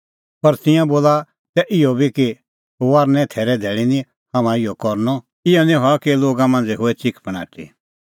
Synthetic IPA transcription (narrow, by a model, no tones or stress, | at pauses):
pɐɾt̪ɪ̃jãboːla | t̪ɛʔɪɔbiki | ɦoaːɾnɛ̃t̪ʰɛːɾɛd̪ʱɛːɭinĩ | hɐmãɪjɔkɔɾnɔ | ɪjɔnĩɦɔkiloːɡamãːnd͡zɛɦoɛt͡ʃɪkʰpəɽ̃a̰ːʈʰḭ